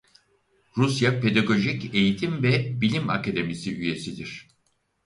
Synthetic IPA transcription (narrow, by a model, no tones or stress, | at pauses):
ɾusjape̞d̪aɡo̞ʒice̞jit̪ʰimvɛbilʲima̰kʰad̪e̞misiyje̞sid̪iɾ̥